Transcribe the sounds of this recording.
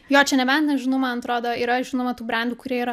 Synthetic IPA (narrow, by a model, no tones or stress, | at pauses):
joːt͡ʃʲɛnʲɛbʲɛnt̪nʲɛʒʲɪnoʊmɐnɐt̪ɾoːd̪oːiːɾɐʒʲɪnomɐt̪uːbɾɐnʲd̪ʲukʊɾʲiɛiːɾɐ